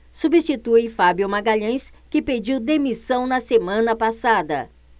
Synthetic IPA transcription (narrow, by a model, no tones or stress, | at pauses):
subist͡ʃit̪ujfabjʊmaɡaʎɐ̃jskɪped͡ʒiwd̪emisɐ̃w̃nɐsemɐ̃nɐpasad̪ɐ